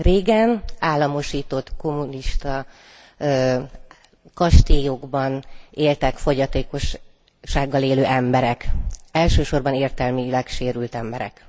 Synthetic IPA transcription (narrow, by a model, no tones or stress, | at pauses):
reːɡɛnaːlːɒmo̞ʃiːt̪o̞t̪ko̞mːuniʃt̪ɒ | kɒʃt̪ijoɡbɒneːlt̪ɛkfo̞ɟɒt̪eːko̞ʃ | ʃːaːɡːɒleːløːʔɛmbɛɾɛkɛlʃøːʃo̞rbɒneːrt̪ɛlmylɛkʃeːɾylt̪ɛmbɛɾɛ̰k